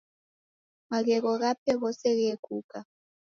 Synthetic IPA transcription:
maɣɛɣɔɣapʰɛɣɔsɛɣɛkʰʼuːkʼa

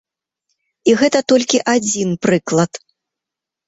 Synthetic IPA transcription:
iɣɛt̪ɐt̪ɔlʲkʲiʔad͡zʲinpɾɨklˠɐt̪

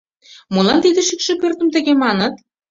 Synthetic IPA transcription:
molɑnt̪id̪ə̆ʃykʃĕpørt̪ə̆mt̪ə̆ɣemɑnə̆t̪̚

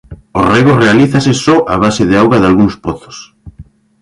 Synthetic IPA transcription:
o̰reɣorealiθasɪsɔʔaβasɪðɪawɣaðalɣuŋspoθo̥s

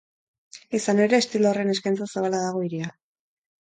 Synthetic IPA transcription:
isane̞ɾe̞ːst̪ilore̞neskajnt͡sasaβalaðaɣ̞o̞iɾia

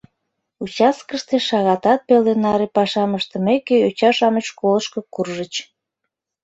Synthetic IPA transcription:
ut͡ɕɑskəʃt̪eʃɑɣɑt̪ɑt̪̚pelenɑɾepɑʃɑməʃt̪ə̆mekeot͡ɕɑʃɑməʃkoləʃkokurʒət͡ɕ

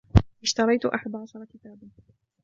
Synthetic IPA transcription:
wɪʃt̪ɑɾˤɑjt̪ʔa̰ħad̪ʕɑʃɑɾˤɑkɪt̪aːban

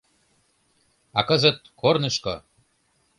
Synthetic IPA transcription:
ɑkəzə̆t̪̚kʰornɤ̆ʃko̰

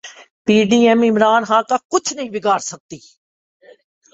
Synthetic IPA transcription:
piːɖiːɛmɪmɾaːnxãːkakʊt͡ʃʰnɐɦĩbɪɡaːɾsɐk̚t̪iː

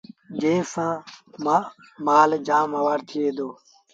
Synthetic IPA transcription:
d͡ʒeːsãːma | maːld͡ʒaːmɦəʋaːɾt̪ʰɪeːd̪oː

